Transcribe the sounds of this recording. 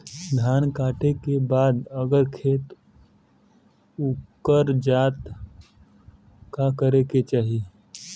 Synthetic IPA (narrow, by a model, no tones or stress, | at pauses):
d̪ʱjankaʈekebad̪əɡəɾkʰeːt̪ | ukəɾd͡ʒat̪ | kakəɾeket͡ʃaɦi